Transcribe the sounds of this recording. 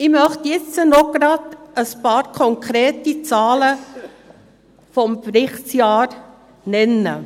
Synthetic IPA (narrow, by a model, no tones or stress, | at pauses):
ɪmœχtjɪt͡sənɔɡ̥ɾɑd̪əspɑːɾkʰɔŋkʰɾeːtit͡sɑːlə | fɔmpɾɪχtsjɑːɾ | nɛnːə̰